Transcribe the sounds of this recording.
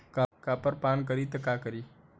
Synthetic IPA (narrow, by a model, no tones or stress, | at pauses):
kakapəɾpaːnk̬əɾiːt̪əkakəɾiː